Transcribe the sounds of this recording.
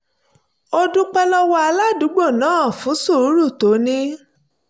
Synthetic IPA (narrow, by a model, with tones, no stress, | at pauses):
o˦dũ˦k͡pɛ˦lɔ˦wɔ˦a˧la˦˨du˨˦ɡ͡bo˦˨nãː˨˦˨fũ˨˦su˦˨ɾu˨˦ɾu˦˨to˨˦nĩ˦